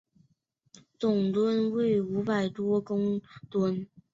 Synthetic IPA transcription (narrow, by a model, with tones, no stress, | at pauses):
t͡sʊ˨˩ŋt̪wə˥nwe˥˩ɪu˧˥pa˨˩ɪt̪wɔ˥kʊ˥ŋt̪wə˥n